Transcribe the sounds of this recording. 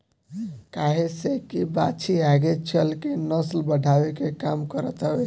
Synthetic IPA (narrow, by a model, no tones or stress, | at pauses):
kaɦesekibat͡ʃʰiaɡet͡ʃʰəlkenəslbəɖʱabekekamkəɾət̪ɦəbe